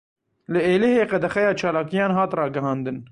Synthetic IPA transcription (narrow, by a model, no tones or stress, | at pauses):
lɨeːleɦeːqɛd̪ɛxɛjɑːt͡ʃʰɑːlaːkijɑːnɦɑːt̪rɑːɡɐɦɑ̃ːnd̪ɨn